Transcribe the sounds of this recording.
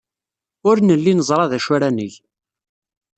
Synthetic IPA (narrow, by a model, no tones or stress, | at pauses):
ʊɾnəlːinəzˤɾˤɑðæʃʊɾænəʝ